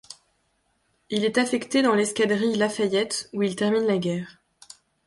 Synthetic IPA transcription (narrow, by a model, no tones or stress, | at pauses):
ilɛt̪afɛkt̪ed̪ɑ̃lɛskʲad̪ʁilafajɛt̪uilt̪ɛʁminlaɡʲɛːʁ